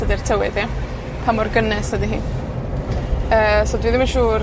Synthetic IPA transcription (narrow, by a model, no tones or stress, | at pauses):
ədir̥tʰəwɛðja | pʰamɔrɡənɛsədiɦḭːn | əːsɔdwiðɪmənʃuːr